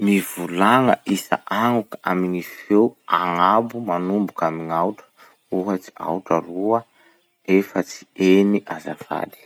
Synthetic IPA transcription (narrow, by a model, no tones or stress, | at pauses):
mivulaŋəʔisa̰ʔaŋukaa̰minifewaŋabumanumbukamiŋawʈ͡ʂə̥ | uɦət͡si̥a̰wʈ͡ʂaruə | efət͡si̥eniʔaza̰fa̰d̪i̥